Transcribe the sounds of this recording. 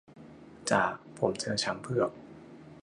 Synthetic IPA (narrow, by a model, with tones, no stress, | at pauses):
t͡ɕaː˨˩k̚pʰo˩˦mt͡ɕʰɤː˧t͡ɕʰa˦˥mpʰɯ˥˩ək̚